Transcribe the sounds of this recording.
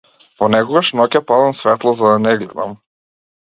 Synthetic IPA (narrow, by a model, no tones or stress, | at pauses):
vɔnɛkɔɡaʃnɔcʲapad̪amsvɛt̪lˠɔzad̪anɛɡlɛ̰d̪a̰m